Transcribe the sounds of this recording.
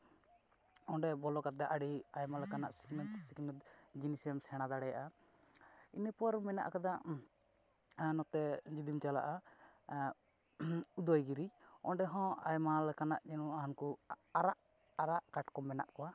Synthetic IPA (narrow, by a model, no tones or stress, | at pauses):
ɔ̃ɖɛbɔlɔkat̪̚d̪aʔaɽiajmalɛkanaʔsi̥kmɛt̪siɡmɛt̪d͡ʒinisiɛmsɛɽ̃ad̪aɽɛja̰ʔa | inəpɔɾmɛna̰ʔkad̪aʔ | nɔt̪ɛd͡ʒid̪imt͡ʃala̰ʔa | ud̪ɔjɡiɾiɔ̃ɖɛɦɔ̃ajmalɛkanaʔd͡ʒɛnuaankuaɾaʔ | aɾaʔkaʈkɔmɛna̰ʔkɔwa